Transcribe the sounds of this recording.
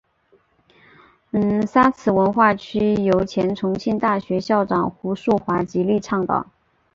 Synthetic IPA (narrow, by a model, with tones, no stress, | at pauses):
nsa˥t͡sʰɹ̩˨˩wə˧˥nxwa˥˩t͡ɕʰy˥jo˧˥ʊt͡ɕʰjɛ˧˥nʈ͡ʂʰʊ˧˥ŋɕʰi˥˧nt̪a˥˩ɕɥɛ˧˥ɕjɑ˥˩ʊʈ͡ʂɑ̰˨˩ŋxu˧˥ʂu˥˩xwa˧˥t͡ɕi˧˥li˥˧ʈ͡ʂʰɑ˥˩ŋt̪ɑ̰˨˩˦